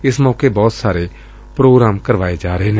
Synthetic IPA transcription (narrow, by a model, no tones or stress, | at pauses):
ɪsmɔːkebɔːt̪saːɾeː | pɾoːɡɾaːmkəɾʋaːed͡ʒaːɾəeːneː